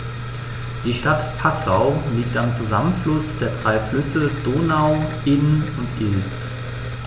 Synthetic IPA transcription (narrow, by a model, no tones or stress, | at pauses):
d̥iːʃtatpʰasaʊliːk̚tamt͡suzamənflʊsd̥eːɐdʁaɪflʏsəd̥oːnaʊʔɪnnʊntʔɪlt͡s